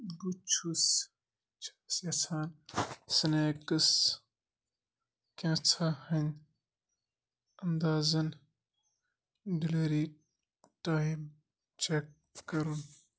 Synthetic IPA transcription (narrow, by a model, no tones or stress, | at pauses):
ɡut͡ʃʰus | t͡ʃʰḁsjɐt͡sʰaːnsɐneːkɐs | kʲãːt͡sʰahɐnʲ | ɐnd̪aːzɐn | ɖilɐɾiː | ʈaːim | t͡ʃekː | ɐɾun